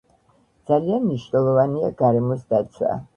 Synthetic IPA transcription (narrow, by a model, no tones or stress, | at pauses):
d̪z̥alianmniʃnɛlˠɔvania̰ɡaɾɛmɔsd̪at̪sʰwa̰